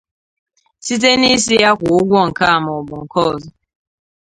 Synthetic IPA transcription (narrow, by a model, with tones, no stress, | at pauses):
si˦t̬e˦ni˦s̬i˦ja˦kʷʊ˨ʊ˦ɡʷɔ˦ŋ̩˨ka˦a˨m˨ɔ˨bʊ˨ŋ̩˨kɔ˦˨zɔ˨